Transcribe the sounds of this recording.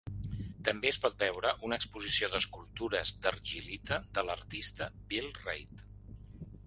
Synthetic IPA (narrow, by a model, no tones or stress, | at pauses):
t̪əmbeəspɔt̪̚bɛwɾəʔunəkspuzisioðəskulˠt̪uɾəzd̪ərʒilit̪əðələrt̪ist̪əbilˠrejt̪